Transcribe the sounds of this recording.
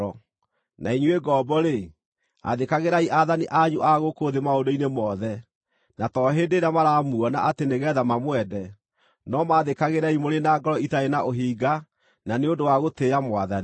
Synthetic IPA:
ɔ | nʔa̰iɲueɡɔːbɔɾe | a̰ðekaɣeɾaiʔaðaniʔaɲuʔaɣokoðemaodoinemɔðɛ | natɔːɦendeɾamaɾaːmuɔna̰ʔateneɣɛðamamwɛdɛ | nɔmaðekaɣeɾaimoɾenaːɡɔɾɔitaenaʔoɦiːɡa | naneodowaɣoteːɾamwaðani

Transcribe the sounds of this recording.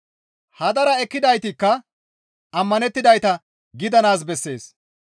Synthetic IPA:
hɐd̪ɐɾɐɛkːɪd̪ɐjt̪ɪkːɐ | ɐmːɐnɛt̪ːɪd̪ɐjt̪ɐ | ɡɪd̪ɐnaːsbɛsːe̞ːs

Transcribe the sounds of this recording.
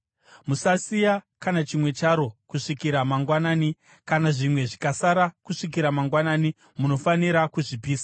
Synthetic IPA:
musasijakanat͡ʃimwe̞t͡ʃaɾo̞kuʂikiɾamaŋɡwanaːni | kanaʐimwe̞ʐikasaɾakuʂik̬iɾamaŋɡwanaːni | muno̞faniɾakuʐipiːsa

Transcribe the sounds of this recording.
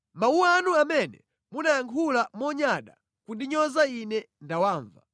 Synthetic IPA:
mauanuamɛnɛ̰ | munajaŋkʰulamɔɲaɗa̰ | kudiɲɔzainɛ | ndawaːɱva̰

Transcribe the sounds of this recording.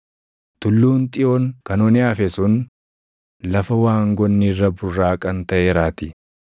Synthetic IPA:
t̪ʊlːuːnt̪ʼɪoːŋkɐnoːnɪaːfɛsʊn | lɐfɐwaːŋɡɔnːirːɐbʊrːaːkʼɐnt̪ɐʔeːɾaːt̪ɪ

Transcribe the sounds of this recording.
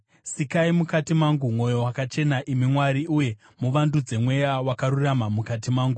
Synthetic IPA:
sikaimukatimaŋɡumwo̞jo̞wakat͡ʃe̞naʔimimwaɾiʔuje̞ | muʋandud͡ze̞mwe̞jawakaɾuramamukat̬imaːŋɡu

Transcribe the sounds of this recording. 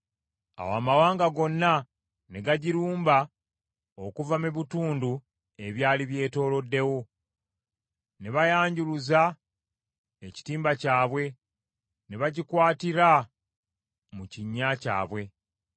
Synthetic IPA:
a̰waːmawaːŋɡaɡo̞nːa | neɡaɟiɾuːmba | okuvameβituːndu | e̞βjaːliβje̞ːto̞ːlo̞dːe̞wo̞ | neβajaːɲɟuluza | eci̥tiːmbacaːβwe̞ | neβaɟikwaːtiɾa | muciɲːaca̰ːβwe̞

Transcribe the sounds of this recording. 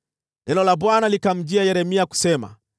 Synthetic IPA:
ɛnɔlabwanalikam̩d͡ʒiajɛɾɛmiaku̥sɛma̰

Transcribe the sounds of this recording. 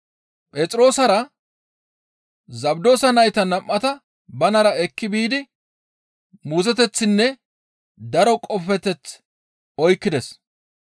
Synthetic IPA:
pʼeːt͡sʼɾo̞ːsɐɾɐ | zɐbd̪o̞ːsɐnɐjt̪ɐnɐmːɐt̪ɐ | bɐnɐɾɐɛkːɪbiːd̪ɪ | muːzɛt̪ɛt͡sːɪnːɛ | d̪ɐɾɔkʼɔfɛt̪ɛt͡s | ɔjkːɪd̪ɛs

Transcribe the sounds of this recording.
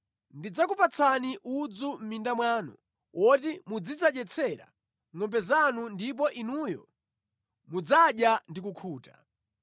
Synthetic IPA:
ndid͡zakupat͡sʰaniʔud͡zum̩mindamwaːnɔ̰ | ɔtimud͡zid͡zaɗɛt͡sʰɛɾa̰ | ŋɔmbɛzanundip̬ɔʔinujɔ | mud͡zaɗjandikukʰuːta

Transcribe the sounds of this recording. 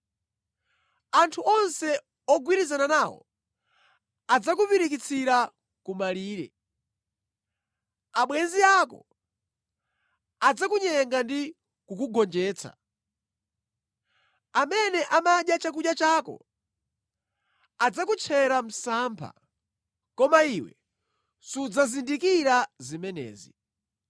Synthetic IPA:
antʰuʔɔnsɛ | ɔɡwiɾizananaːwɔ̰ | ad͡zakupiɾikit͡sʰiɾa | kumaliːɾɛ̰ | aɓwɛnziakɔ̰ | ad͡zakuɲɛŋɡandi | kukuɡɔnd͡ʒɛːt͡sʰa̰ | amɛnɛʔamaɗjat͡ʃak̬uɗjat͡ʃaːkɔ̰ | ad͡zakut͡ʃʰɛɾam̩sampʰa̰ | kɔmaiwɛ̰ | sud͡zazindikiɾazimɛnɛ̰ːzḭ

